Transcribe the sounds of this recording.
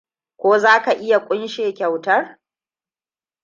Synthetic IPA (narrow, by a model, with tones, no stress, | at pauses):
kʷoː˦zaː˦ka˨ʔɪ˦ja˨kʷʼʊ˦nʃeː˨kʲa˨wtɐ˦r